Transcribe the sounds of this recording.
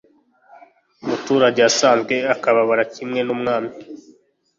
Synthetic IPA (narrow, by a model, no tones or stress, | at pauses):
umutuːɾaɟeasaːnzɡwe̞akaβaβaɾacimŋe̞nuːmŋaːmi